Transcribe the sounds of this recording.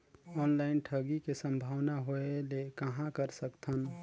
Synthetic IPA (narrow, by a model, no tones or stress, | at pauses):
ɔnlaɪnʈʰəɡikesə̃mbʱaːwnaɦoelekəɦãkəɾsəkt̪ʰən